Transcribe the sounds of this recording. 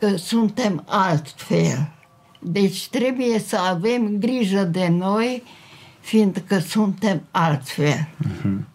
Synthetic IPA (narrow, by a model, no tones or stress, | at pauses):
kəsunt̪emalt̪fel | d̪et͡ʃt̪ɾebujesəavemɡɾiʒad̪enoj | find̪kəsunt̪emalt̪fel